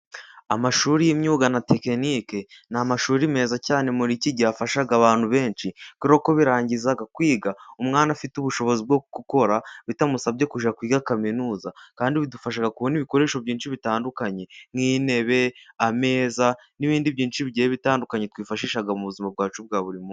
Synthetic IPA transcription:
amaʃuːɾijimɲuːɡanate̞kenikenamaʃuːɾime̞ːzacaːne̞muɾiciɟaːfaʃaɡaβaːn̥huβe̞ːnʃikuɾo̞ko̞βiɾaːɲɟizaɡakwiːɡaumŋaːnafituβuʃo̞βo̞zib̚ɡokkuko̞ɾaβitamusabɟe̞kuʒakwiːɡakaminuːzakaːndiβidufaʃ̬aɡakuβoniβiko̞ɾe̞ːʃo̞βɟiːnt͡ʃiβitaːndukaɲe̞ŋiːne̞βe̞ame̞ːza | niβiːndiβɟiːnt͡ʃiβiɟejeβitaːndukaɲe̞twiːfaʃiːʃaɡamuβuzimab̚ɡaːt͡ʃub̚ɡaːβuɾimuː

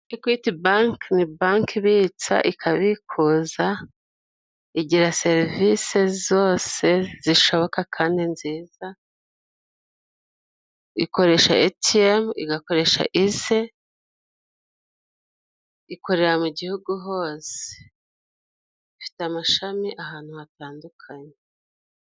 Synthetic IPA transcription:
ikwitibaːŋknibaːŋkiβiːt͡sa̰ʔikʰaβikʰuːza | iɟiɾase̞ɾvise̞zo̞ːse̞z̥iʃo̞βo̞kakʰaːndinziːza | iko̞ɾe̞ʃa̰etiemḭɡako̞ɾe̞ʃa̰ʔize̞ | iko̞ɾe̞ɾamuɟihuɡuɦo̞ːse̥ | fi̥tamaʃamiʔaɦaːn̥huhataːndukʰaɲe

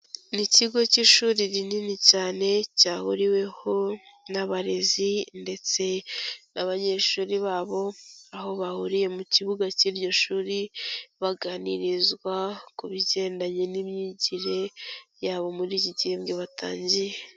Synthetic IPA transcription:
niciɡo̞ciʃuːɾiɾininicaːne̞caːhuɾiwe̞ho̞naβaɾe̞zinde̞t͡se̞naβaɲe̞ʃuːɾiβaːβo̞aɦo̞βahuɾije̞muciβuɡaciːɾɟo̞ʃuːɾiβaɡaːniɾizɡwakuβiɟe̞ːndaɲe̞nimɲiɟiɾe̞jaːβo̞muɾiɟiɟeːmɡeβatʰa̰ːɲɟije

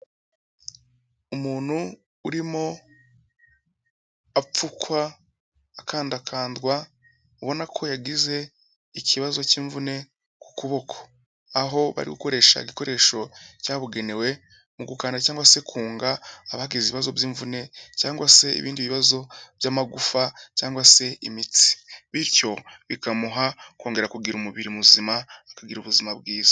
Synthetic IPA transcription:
umuːn̥hu | uɾimo̞ | ap͡fukwaː | kaːndakʰaːndɡwa | uβo̞nakʰo̞jaɡize̞ | icʰiβazo̞ciːɱvune̞ | ku̥kuβo̞kʰo̥ | aɦo̞βa̰ɾḭɡuko̞ɾe̞ːʃa̰iɡiko̞ɾʔe̞ːʃo̞caːβuɡe̞ne̞we̞ | muɡukaːndacaːŋɡwase̞kʰuːŋɡaːβahaɡiziβiβazo̞vjiːɱvune̞caːŋɡwase̞ḭβiːndiβiβazo̞vjaːmaɡufacaːŋɡwase̞imit͡si̥βiɾco̞βikamuɦakwo̞ːŋɡe̞ɾakuɡiɾumuβiɾimuzimaakaɡiɾuβuzimab̚ɡiːza

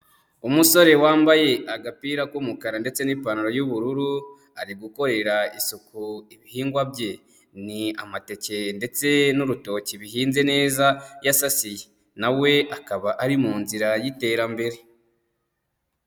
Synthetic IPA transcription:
umuso̞ɾe̞waːmbaje̞aɡapiːɾakwumukaɾande̞t͡se̞niːpanaɾo̞juβuɾuɾu | aɾiɡuko̞ɾe̞ɾaisukuiβihiːŋɡwabje̞ | nia̰mate̞ce̞nde̞t͡se̞nuɾuto̞ciβiɦiːnze̞ne̞ːzajasasije | nawe̞akaβaʔaɾimuːnziɾajite̞ːɾambe̞ɾe̞

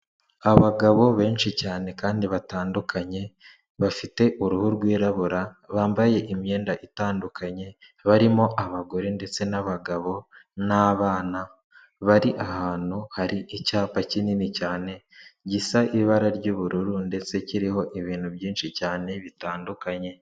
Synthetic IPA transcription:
aβaɡaβo̞βe̞ːnʃicaːne̞kaːndiβataːndukʰaɲe̞ | βafite̞ʔuɾuhuɾɡwiːɾaβuɾa | βaːmbaje̞ʔimɲe̞ːndaʔitaːndukaɲe̞ | βaɾimo̞ʔaβaɡo̞ɾende̞t͡se̞naβaɡaβo̞naβaːna | βaɾiʔahaːn̥huhaɾiʔicaːpacininicaːne̞ɟisaʔiβaɾaɾɟuβuɾuɾunde̞t͡se̞ciɾiho̞ʔiβiːnhuβjiːnʃicaːne̞βitaːndukaɲe̞

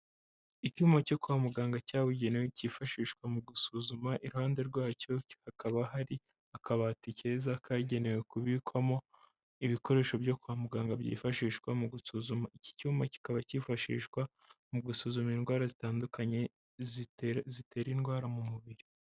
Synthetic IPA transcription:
icuːmbaco̞kuamuɡaːŋɡacaːβuɟe̞newecifaʃiːʃkwamuɡusuzumaʔiɾuhaːnde̞ɾɡwaːco̞hakaβaɦaɾi | akʰaβatice̞ːzakʰaɟe̞ne̞we̞kuβikwamo̞ | iβiko̞ɾe̞ːʃobjo̞kuβamuɡaːŋɡabɟḭːfaʃiːʃkwamuɡusuzumaici̥cuːmbaci̥kaβacifaʃḭːʃkwa | muɡusuːzuminɡwaːɾazitaːndukaɲe̞ | zitʰe̞ːɾinɡwaːɾamumuβiɾi

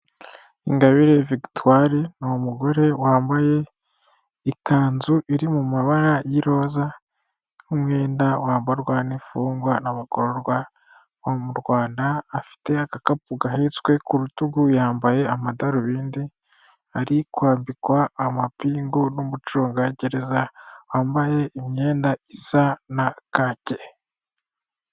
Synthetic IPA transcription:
iŋɡaβiɾe̞vikituwaɾinomuɡo̞ɾe̞waːmbaje̞ | ikaːnzuʔiɾimumaβaɾajiɾo̞ːza | humŋe̞ːndawaːmbaɾwanifuːŋɡwanaβakoɾoɾwa | βomuɾɡwaːndaːfi̥te̞akakapuɡaɦet͡swe̞kuɾutuɡujaːmbaje̞amadaɾuβiːndi | aɾikwaːmbikwaːmapiːŋɡonomut͡ʃuːŋɡaɟe̞ɾe̞zawaːmbaje̞ʔimɲe̞ːndaisanakace̞

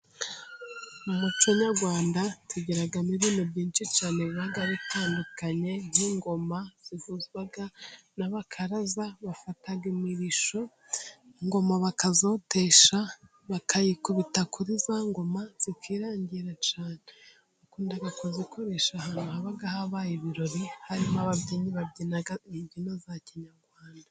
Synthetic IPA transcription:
umut͡ʃoɲaɾɡwaːndatiɟeɾaɡamiβiːnobɟiːnt͡ʃit͡ʃaːneβiβaɡaβitʰaːndukaɲe̞n̥iŋɡo̞maz̥ivuziβaɡanaβakʰaɾazaβafataɡimiɾiʃo̞ | ŋɡo̞maβakazo̞te̞ʃa | βakʰajikuβitakʰuɾizaŋɡo̞maz̥ikʰiːɾaːɲɟiɾat͡ʃaːne | ukuːndaɡakuziko̞ɾe̞ʃahanuhaβaɡahaβaːjiβiɾo̞ɾihaɾimaβavɟiːɲiβabɟinaɡbɟinazaciɲaɾɡwaːnda

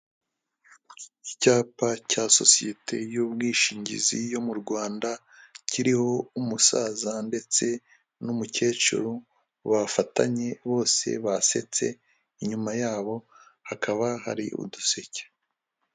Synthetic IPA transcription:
icaːpacaso̞̰sije̞tʰe̞̰jubɡiːʃiːɲɟḭzijo̞muɾɡwaːnda | ciɾiho̞umusaːzande̞t͡se̞ | numuce̞ːt͡ʃṵɾu | βafata̰ɲe̞βo̞ːse̞̰βase̞̰t͡se̞̰ | iɲumajaːβo̞hakʰaβaɦa̰ɾḭṵdusece̥

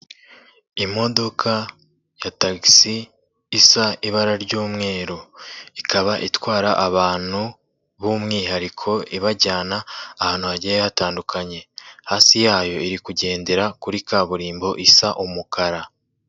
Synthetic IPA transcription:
imo̞do̞kʰa | jataɡisiː | saiβaɾaɾɟuːmŋe̞ːɾoikʰaβaʔitwaːɾaʔaβaːn̥hu | βumŋiːɦaɾikʰo̞iβaɟaːnaːhaːn̥huβaɟejehataːndukʰaɲe̞haːsijaːjo̞iɾikuɟe̞ːnde̞ɾakuɾikaːβuɾiːmbo̞ʔisaʔumukʰaɾa

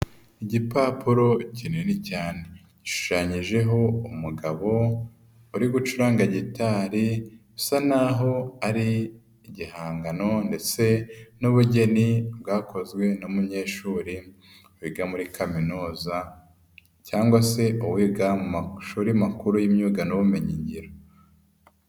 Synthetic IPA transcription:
iɟipaːpuɾo̞cinenicaːne̞ | ɟ̥iʃu̥ʃaɲiʒe̞ɦo̞umuɡaβo̞ | uɾiɡut͡ʃuɾaːŋɡaɟitaːɾiusanaɦo̞aɾiː | ɟihaːŋɡano̞nde̞t͡se̞nuβuɟe̞nibɡaːko̞zɡwe̞numuɲe̞ːʃuːɾi | wiɡamuɾikʰaminoːza | caːŋɡwase̞uwiɡamumaʃuːɾiamakuɾujimɲuːɡanuβumeɲiɲɟiɾo

